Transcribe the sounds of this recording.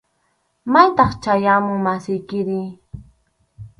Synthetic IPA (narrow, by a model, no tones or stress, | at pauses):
majt̪ɑχt͡ʃajamʊmasɪjkɪɾɪ